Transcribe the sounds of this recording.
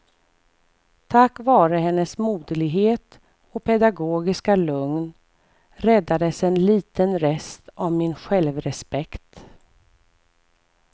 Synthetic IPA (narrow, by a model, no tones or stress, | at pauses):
t̪ʰakːvɑːɾəɦɛnːəsmuːd̪əlɪɡɦeːt̪ | ɔpʰɛd̪aɡoːɡɪskalɵŋn | ɾɛd̪ːad̪əsɛnliːt̪ənɾɛst̪ɔmmɪnɧɛlvɾɛspɛkt̪